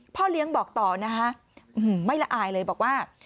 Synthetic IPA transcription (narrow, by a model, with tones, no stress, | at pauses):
pʰɔː˥˩li˦˥əŋbɔː˨˩k̚t̪ɔː˨˩na˦˥kʰa˦˥ | ʔɯ˨˩ma˥˩jla˦˧˩ʔaː˨˧˩jlɤː˧jbɔː˨˩k̚waː˥˩